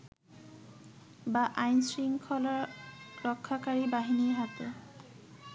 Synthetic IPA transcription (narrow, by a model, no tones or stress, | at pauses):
baʔajnsɾiŋkʰɔlaɾɾɔkʰːakaɾibaɦiniɦat̪o